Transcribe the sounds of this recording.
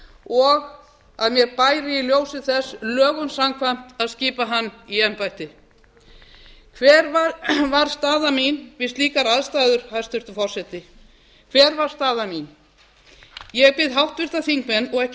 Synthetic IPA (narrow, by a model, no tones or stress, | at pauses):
ɔɣ | aðmjɛɾpaːjɾɪiljoːwsɪθɛslœːɣʏnsamkʰvajm̥t̪aðsciːpaɦanːiɛmpajt̪ɪ | kʰvɛːɾvavaɾ̥st̪aːðaminvɪst̪liːkaɾaðst̪aːjðʏɾ̥haðst̪ʏɾ̥t̪ʏfɔr̥sɛt̪ɪ | kʰv̥ɛːɾvaɾ̥st̪aːðamin | jɛɣpɪðɦawht̪vɪɾ̥t̪aθiŋkmɛnːɔɣɛhc